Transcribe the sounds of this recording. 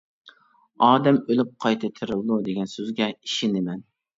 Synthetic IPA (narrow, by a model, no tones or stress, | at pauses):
ɑːd̪ɛmølɪp̚qʰɑjt̪ʰɪt̪ʰɪɾɨlˠd̪ud̪eɡʲɛnsøzɡʲɛiʃɪnɪmɛn